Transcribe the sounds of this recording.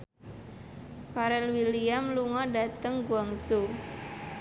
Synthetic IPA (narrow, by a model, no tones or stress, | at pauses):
faɾɛlwiliamluŋɔdat̪əŋɡuaŋso